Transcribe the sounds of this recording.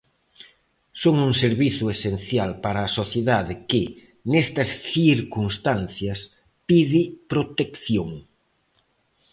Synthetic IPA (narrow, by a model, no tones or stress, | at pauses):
soŋuŋseɾβiθʊesen̟θjalpaɾaːsoθjeðaðɪkɪ | nest̪ɐsθiɾkunst̪anθjɐs | piðɪpɾot̪ekθjoŋ